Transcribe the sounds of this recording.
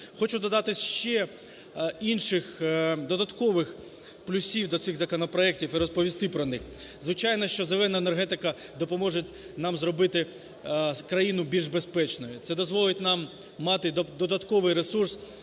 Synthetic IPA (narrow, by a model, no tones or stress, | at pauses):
xɔt͡ʃʊd̪ɔd̪ɑt̪ɪsʲʃt͡ʃɛ | inʃɪxd̪ɔd̪ɐt̪kɔʋɪx | plʲʊsʲiwd̪ɔt̪sɪɣzɐkɔnɔpɾɔɛk̚tʲiwiɾɔspɔʋʲist̪ɪpɾɔnɪx | zʋɪt͡ʃɑjnɔʃt͡ʃɔzelˠɛnɐenerɦɛt̪ɪkɐ | d̪ɔpɔmɔʒetʲ | nɑmzɾɔbɪt̪ɪ | kɾɐjinʊbʲilʲʒbespɛt͡ʃnɔjʊt̪sɛd̪ɔzʋɔlˠɪtʲnɑmː | ɑt̪ɪd̪ɔd̪ɐt̪kɔʋɪjɾesurs